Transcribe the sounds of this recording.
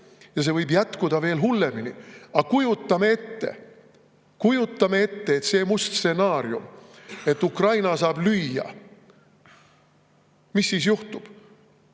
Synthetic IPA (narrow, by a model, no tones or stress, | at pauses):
jɑs̬e̞vɤjbjæt̪kud̪̥ɑve̞ːlɦulːe̞minḭɑkujut̪ːˑɑmee̞t̪ːe̞̰ | kujut̪ˑːɑme̞e̞t̪ːe̞et̪se̞ːmust̪se̞nɑːɾjume̞t̪ːukrɑjnɑsɑːblyjɑ̰ | misːiːsjuht̪ub̥